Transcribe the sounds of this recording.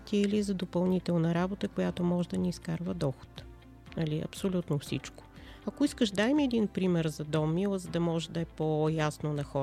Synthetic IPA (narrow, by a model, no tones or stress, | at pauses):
t̪iɛliɛzɐd̪opɐlˠnit̪ɛlˠnɐɾabot̪əkojat̪omɔʒɛd̪ɐniːskaɾvəd̪ɔxo̥t̪ | nɐliʔɐ̰psolʲut̪nofsḭt͡ʃko̥ | ɐkoiskəʃd̪ajmiɛd̪inpɾimɛɾzɐd̪ɔmːilˠəzəd̪ɐmɔʒɛd̪ɐɛpojasnonɐxɔ